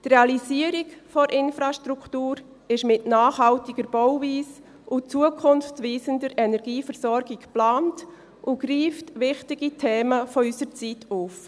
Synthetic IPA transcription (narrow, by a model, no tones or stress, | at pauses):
trɛɑlisiəɾikfɔɾʔɪnfɾɑʃtɾuktuːɾ | ɪʃmɪtnaːχɦɑltiɡəɾb̥ɔwviːs | ʔʊt͡suəkʰʊnft͡sʋiːsəndəɾɛnɛɾɡiːfəɾsɔɾɡikplaːnt | ʔʊɡriːftʋɪχtɪɡitʰeːməfɔysəɾt͡sitʰuːf